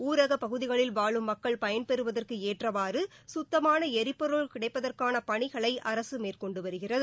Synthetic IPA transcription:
uːɾɐɣɐpɐɣɯðɪɣɐɭɪlʋaːɭɯmːɐkːɐɭpɐjɐnpɛɾɯʋɐðɐrkɯeːʈrɐʋaːrɯsʊt̪ːɐmaːnɐɛɾɪpːɔɾɯɭkɪɽɐɪpːɐðɐrkaːnɐpɐɳɪɣɐɭɐɪʔɐɾɐsɯmeːrkɔɳɖɯʋɐɾɯɣɪrɐðɯ

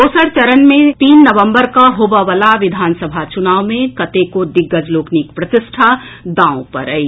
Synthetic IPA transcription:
oːsəɾt͡ʃɐɾənmẽt̪iːnːəʋə̃mbəɾkaɦoːbaʋəlaʋɪd̪ʱaːnsəbʱat͡ʃʊnaːwmẽkɐt̪ekod̪ɪɡːəd͡ʒloːknikpɾɐt̪ɪsʈʰad̪aːõpɐ̰ɾəi

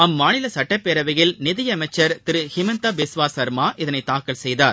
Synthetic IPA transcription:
ɐmːaːnɪlɐsɐʈːɐpːeːɾɐʋɐɣɪlnɪðɪjɐːmɐɪt͡ʃːɐɾt̪ɪɾɯhɪmɐnt̪aːbɪsʋaːsɐɾmaːʔɪðɐnɐɪt̪ːaːkɐlsɛjðaːɾ

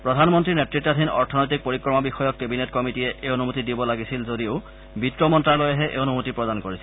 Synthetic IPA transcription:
pɹɔdʱanmɔntɹinɛtɹitːadʱinɔ̰ɹtʰɔnojtik̚poɹikɹɔmabixɔjɔkːebinetkɔmitijɛʔeonumotidibɔlaɡisilzodioʊ | bitɹɔmɔntɹaɹlojɛɦɛʔḛonumutipɹɔdankoɹisi

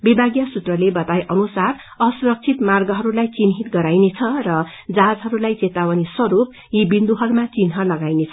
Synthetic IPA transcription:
bibʱaɡjasut̪rʌlebʌt̪ajʔʌnusar | ʌsuɾʌk̚t͡sʰit̪marɡʌɦʌɾulajt͡sinɦit̪ɡʌɾajnet͡sʰʌrʌ | d͡zad͡zɦʌɾulajt͡set̪awʌniswʌɾup̚ | jibind̪uɦʌɾumat͡sinɦʌlʌɡajnet͡sʰʌ

